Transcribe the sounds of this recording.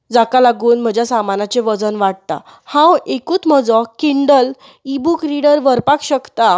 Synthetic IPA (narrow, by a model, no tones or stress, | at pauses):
d͡zakalaɡuːnm̤əd͡ʑʱjasamanat͡ɕeʋəd͡zənʋaɽ̚t̪a̰ | hãwekuːt̪məd͡zɔkiɳɖəl | ibukɾiɽəɾʋəɾpakɕəkt̪a